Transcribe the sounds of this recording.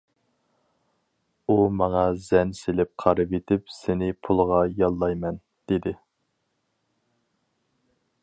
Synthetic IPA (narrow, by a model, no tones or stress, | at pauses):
umɑŋɑzɛnselɪp̚qʰɑɾɨpet̪ʰɪpsɪnɪpʰulˠʁɑjɑlˠːɑjmɛn | d̪̥ɪd̪ɪ